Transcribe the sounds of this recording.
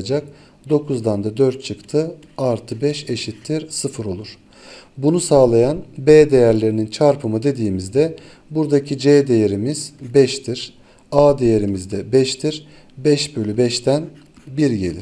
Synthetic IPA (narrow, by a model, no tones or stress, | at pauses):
d͡ʒak̚ | d̪o̞kʰuzd̪and̪ad̪øɾt̪̚t͡ʃʰɯkt̪ʰɯ | aɾt̪ʰɯbɛʃe̞ʃit̪ʰːiɾsɯfɯɾo̞lˠuɾ̥ | bunusaːlˠajanbeːd̪e̞jæɾlʲe̞ɾinint͡ʃʰaɾpʰɯmɯd̪e̞d̪iːmizd̪ɛ | buɾd̪acʰid͡ʒed̪e̞jeɾimiz̥bɛʃt̪ʰiɾ̥ | aːd̪e̞jeɾimizd̪ɛbɛʃt̪ʰiɾ | bɛʃbø̞lʲybɛʃt̪ʰæn | biɾɟe̞lʲḭɾ